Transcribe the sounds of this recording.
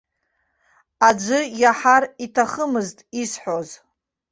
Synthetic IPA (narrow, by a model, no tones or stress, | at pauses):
ad͡ʒʷɨjaħaritʰaχəmɨztʼisħʷo̞z